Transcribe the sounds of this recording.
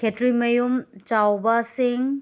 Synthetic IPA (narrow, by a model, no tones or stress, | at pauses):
kʰetɾimɐjumt͡ʃawbɐsiŋ